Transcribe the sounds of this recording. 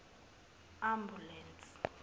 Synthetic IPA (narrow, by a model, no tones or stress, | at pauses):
ambulɛnt͡sʼ